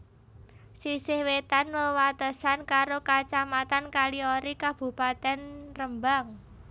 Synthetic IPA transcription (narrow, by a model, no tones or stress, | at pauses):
sisɪhwet̪anwəwat̪əsankaɾokat͡ʃamat̪ankalioɾikab̥ṳpat̪ɛnrəmbaŋ